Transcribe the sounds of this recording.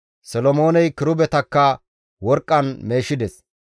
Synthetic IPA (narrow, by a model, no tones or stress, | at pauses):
sɔlɔmo̞ːnɛjkɪɾʊbɛt̪ɐkːɐ | wɔɾkʼːɐnme̞ːʃɪd̪ɛs